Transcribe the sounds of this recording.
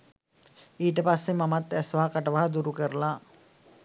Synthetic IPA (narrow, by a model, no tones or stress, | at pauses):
iːʈəpasːemamat̪æsʋaɦɐkaʈəʋaɦɐd̪uɾukəɾəla